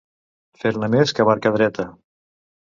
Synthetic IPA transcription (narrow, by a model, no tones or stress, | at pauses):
feɾnəmeskəβaɾkəðɾɛt̪ə